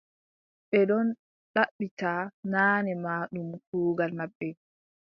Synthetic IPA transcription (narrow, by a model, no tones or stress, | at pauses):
ɓɛɗɔn | ɗaɓːitaːnaːnɛmaːɗumkuːɡalmaɓːɛ